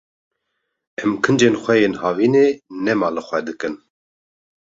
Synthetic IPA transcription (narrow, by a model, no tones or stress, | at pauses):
ɛmkʰɨnd͡ʒenxʷɛjenhɑːvineːnɛmɑːlɨxʷɛd̪ɨkɨn